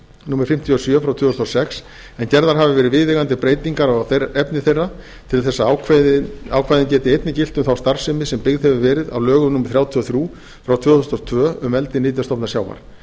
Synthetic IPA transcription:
numɾ̥fɪm̥t̪ʰiɔsjœfɾawt̪ʰʏːθst̪ɔsɛks | ɛncɛɾðaɾɦavɪvɛːɾɪðvɪðɪɣant̪ɪpɾeːjt̪iŋkaɾθɛpnɪθejrːa | t̪ʰɪlθɛsːaawkawkʰvajðɪncɛːt̪ɪejt̪nɪcɪlt̪ʏmθawst̪aɾ̥sɪmɪsɛmpɪɣðhɛvɪvɛːɾɪða̰wlœːɣʏmnumɪɾ̥θɾjaːwt̪ʰiɔθɾjuː | fɾawt̪ʰvʏːθʏst̪ɔt̪ʰvœːʏmɛlt̪ɪniːt̪jast̪ɔpnasjaːwva̰ɾ̥

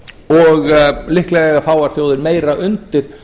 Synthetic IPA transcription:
ɔɣlɪhklɛɣɛɣafaːwaɾ̥θjowðɪɾmeːjɾaʔʏnt̪ɪɾ̥

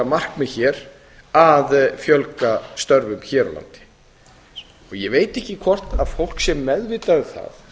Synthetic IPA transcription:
amar̥kmɛðçɛːɾ | aðfjœlkast̪œɾvʏmçɛːɾɔ̰la̰nt̪ɪ̥ | ɔɣjɛveːjt̪ɛhcɪkʰvɔr̥t̪að̥fowl̥ksjɛmːɛðvɪt̪aðθa̰θ

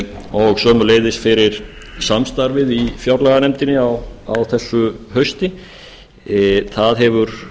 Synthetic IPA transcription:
ɔɣsœːmʏleːjðɪst̪fɪɾɪɾ̥ | samst̪aɾvɪðifjawɾlɛɣanɛmt̪ɪnːɪawawθɛsːʏhœɥst̪ɪ | θaðɦɛvʏɾ̥

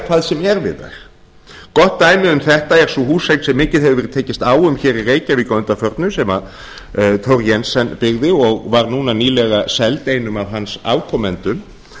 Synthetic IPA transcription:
kʰvaːðsɛmɛɾvɪ̰ða̰ɾ̥ | kɔht̪ːaːjmɪʏmθɛht̪aɛɾ̥suhuːsejknsɛmːɪːcɪðɦɛvʏvɛɾɪ̥t̪ʰeːjcɪst̪aːwʏmçɛːɾireːjcavɪkɔʏnt̪afœɾt̪nʏsɛma | t̪ʰowɾjɛnsɛnpɪɣðɪɔɣvaɾnuːnaniːlɛɣasɛlt̪eːjnʏmawɦansa̰ːwkʰɔmɛnt̪ʏm

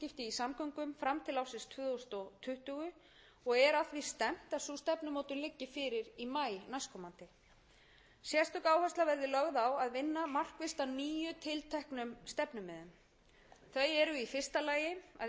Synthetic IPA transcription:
cɪft̪ɪisamkœŋkʏmfɾamt̪ʰɪlawsɪnst̪ʰvʏðwst̪ɔt̪ʰʏht̪ʏɣʏ | ɔɣɛɾaθvist̪ɛm̥t̪asust̪ɛpnʏmɔːwt̪ʏmlɪcːɪfɪɾɪɾimaːjnajskʰɔmant̪ɪ | sjɛst̪ʏkaːwhast̪lavɛɾðɪlœɣðawaðvɪnːamar̥kvɪst̪aniːjʏt̪ʰɪlt̪ʰɛhknʏmst̪ɛpnʏmɛðʏm | θœɥɛɾʏifɪr̥st̪alaːjɪa̰ð

